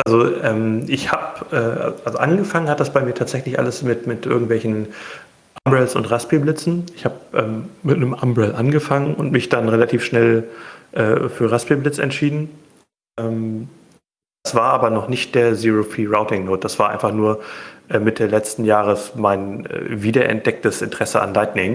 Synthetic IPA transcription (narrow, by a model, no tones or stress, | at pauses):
ʔalzoʔɛːmʔɪçhaːpʔɛːʔa̰ʔalzoʔanɡəfaŋənhat̚d̥asb̥aɪmiːɐtʰaːtz̥ɛçlɪçʔa̰ləsmɪtmɪtʔɪɐɡŋ̩tvɛlçn̩ | ʔambʁɛlsʊ̰ntʁaspiblɪt͡sn̩ɪçhaːp̚ʔɛːmːɪtnəmʔambʁɛlʔanɡəfaŋənʊ̰ntmɪçd̥anʁelatʰiːfʃnɛlʔɛ̰ːfyːɐʁaspiblɪt͡sɛ̰ntʃiːdn̩ | ʔɛːm | d̥asv̥aːɐʔaːbɐnɔχnɪçt̚d̥eːɐziːʁofiːʁaʊtɪŋnoːt̚d̥asv̥aːɐʔaɪnfaχnuːɐʔɛːmɪtʰəlɛt͡stn̩jaːʁəsmaɪnɛ̰viːdɐʔɛ̰nt̚d̥ɛk̚təsʔɪ̰ntə̥ʁ̥ɛsəa̰nlaɪtnɪŋ